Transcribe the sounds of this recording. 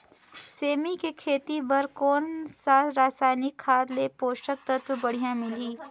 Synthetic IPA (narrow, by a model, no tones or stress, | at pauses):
seːmikekʰeːt̪ibɐɾkɔːnsaːɾaːsaːɪnikʰːaːd̪lepoːʃʈək̚t̪ɐt̪wəbɐɽ̤ijãmɪliː